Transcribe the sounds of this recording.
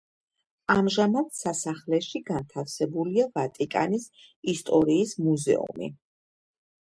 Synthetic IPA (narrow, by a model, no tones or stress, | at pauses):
amʒamat̪sasaχlɛʃiɡant̪ʰafsɛbuliavat̪ʼikʼa̰nisist̪ʼɔɾiːsmuzɛ̰ṵmḭ